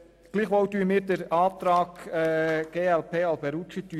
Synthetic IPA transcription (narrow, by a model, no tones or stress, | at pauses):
ɡ̥liːχʋɔwd̪yːəmɪːɾd̪əɾɑːt̪ɾɑːɡɛɡ̥eːælpʰeːælb̥ɛɾut͡ʃit̪y